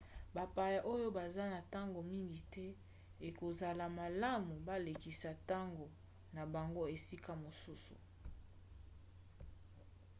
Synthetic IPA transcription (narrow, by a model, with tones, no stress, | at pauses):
ba˨pa˨ja˨ʔo˦jo˦ba˨za˦na˨ta˦ŋɡo˨mi˦ŋɡi˨tɛ˦ | e˨ko˨za˨la˨ma˨la˦mu˨ba˦le˨ki˨sa˨ta˦ŋɡo˨ | na˨ba˨ŋɡo˦e˨si˦ka˦mo˨su˦sṵ˨